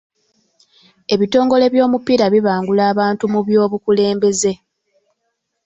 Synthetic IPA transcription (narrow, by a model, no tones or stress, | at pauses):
e̞βito̞ːŋɡo̞le̞βjo̞ːmupiːɾaβiβaːŋɡulaːβaːntumuβjo̞ːβukule̞ːmbe̞ze̞